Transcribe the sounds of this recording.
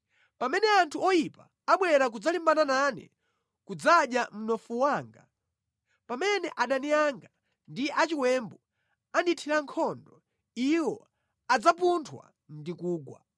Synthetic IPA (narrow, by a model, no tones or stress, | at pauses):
pamɛnɛantʰuɔjipa | aɓwɛɾak̬ud͡zalimbanananɛ̰ | kud͡zaɗjam̩nɔfuwaːŋɡa̰ | pamɛnɛʔaɗanijaŋɡa | ndiat͡ʃiwɛmbu | anditʰiɾaŋkʰɔndɔ | iwɔ | ad͡zapuntʰwa̰ | ndikuːɡwa̰